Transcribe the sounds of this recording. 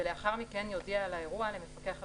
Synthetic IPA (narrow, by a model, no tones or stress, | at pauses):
eleaχaʁmike̞njo̞dialae̞ʁualemefake̞aχa